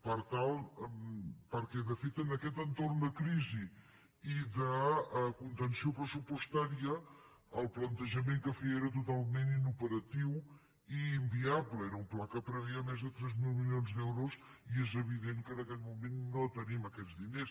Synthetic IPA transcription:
paɾt̪alˠ | paɾkɛðɐfet̪ɐnɐkɛt̪ẽnt̪oɾnuðɐkɾizi | iðɐkũnt̪ẽnsjõpɾəsupuʃt̪aɾjɐ | ɐlˠplˠɐnt̪əʒɐmẽnt̪ukɐfiɛɾɐt̪ut̪alˠmẽnt̪inupəɾɐt̪iw | iĩmbiaβlˠɛɾɐũmplˠakɐpɾɐβiɐmazðɨt̪ɾɛzmilˠmilˠõnzðewɾos | iɛzɐβiðẽnkɐnɐkɛʎmumẽnt̪unɐ̃t̪ɐɾiɐmɐkɛʎzðinejɾu

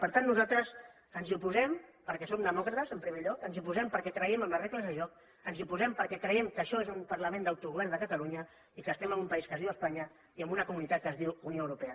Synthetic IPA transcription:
pəɾt̪anːuzalˠt̪ɾəz | ənziupuzɛmpəɾkɛsomd̪əmɔkɾət̪əzəmpɾimeʎɔkənziupuzɛmpəɾkɛkɾəɛməmlərekləzðəʒɔk̚ | ənziupuzɛmpəɾkɛkɾəjɛmkəːʃɔezumpəɾləmend̪awt̪uɣuβɛrnd̪əkət̪əluɲə | ikəst̪ɛməmumpəiskəzðiwəspaɲə | iəmbunəkumunit̪at̪̚kəzðiwunioəwɾupɛə

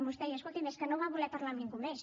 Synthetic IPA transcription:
must̪ɛjaskolt̪imeskənoβaβulɛpaɾlamniŋɡumes

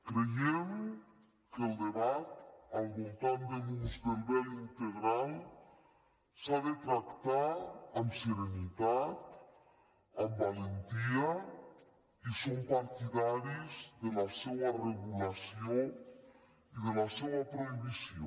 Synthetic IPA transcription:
kɾejem | kelˠd̪eβat̪̚albolˠt̪and̪emunzd̪embɛlint̪eɣɾalˠ | saβet̪ɾakt̪aamseɾenit̪at̪ | ambalent̪iaə | isompaɾt̪iðaɾizd̪elasɛwareɣulasio | iðelasɛwap̪ɾoiβisio

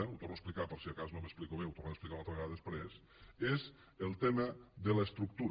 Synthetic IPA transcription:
əut̪ornoesplikapəɾsiakaznoməsplikoβ̞eut̪ornaðəsplikawnat̪ɾβaðespɾes | ez | elˠt̪eməðələest̪ɾuk̚t̪uɾ

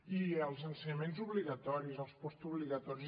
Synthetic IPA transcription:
iəlˠzənsəɲəmẽnzuβliɣat̪ɔɾizəlˠspɔst̪uβliɣat̪ɔɾi

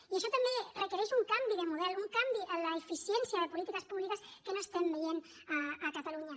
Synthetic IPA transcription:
ieʃɔt̪amberekeɾeʃuŋkambiðəmuðɛluŋkambiʔələefisjensjəðəpulit̪ikəspuβlikəskənoest̪embejen | aəkat̪aluɲɐ

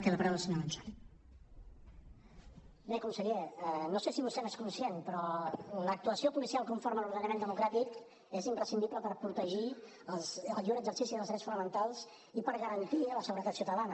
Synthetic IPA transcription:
kɛləpəɾawləsəɲoɾənsan | bekɔmsəɣeənosesiβust̪ɛmeskunsjenpɾɔlək̚t̪uəsiopulisialˠkuɱfoɾməluɾð̞ənəmend̪əmukɾat̪ik | ezimpɾəsind̪ipləpəɾpɾut̪əʒi | əlˠzəlˠʎuɾəɡzəɾsisiðəlˠzðɾɛsfunəmənt̪alˠz | ipəɾɣəɾənt̪iələsəɣuɾət̪at̪siut̪əlanə

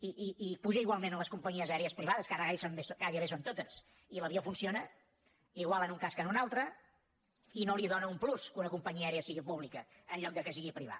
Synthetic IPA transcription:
iʔiipuʒəiɣwalˠmenənləskumpəɲiəzɛɾeəspɾiβaðəskaɾəɣajsonbesoɡajəβesont̪ot̪əs | iləβiəfunsionə | iɣwalˠənuŋkaskənunalˠt̪ɾə | inoliðonəumpluskunəkumpəɲiəɛɾeəsiɣipuβlikəː | nʎɔk̚d̪əkəsiɣipɾiβ̞a̰

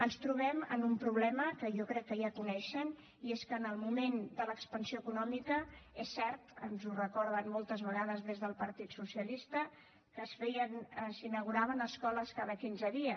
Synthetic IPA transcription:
ənst̪ɾuβ̞ɛmə̰numpɾuβ̞lɛməkəjɔkɾɛkːəjakunɛʃən | ieskəːnəlˠmumend̪ələkspənsioəkunɔmikəesːɛɾt̪ənzurəkɔɾð̞ənmɔlˠt̪əzβəɣaðəzðezðəlˠpəɾt̪it̪susiəlist̪ə | kəsfɛjənəsinəɣ̞uɾaβənəskɔləskaðəkinzəðiə

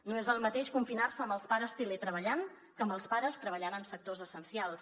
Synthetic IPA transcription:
noezðəlˠmət̪eʃkuɱfinarsəːmbəlˠspaɾəst̪ilet̪ɾəβəʎaŋ | kəmbəlˠspaɾəst̪ɾəβ̞əʎanənsək̚t̪ozəsənsialˠs

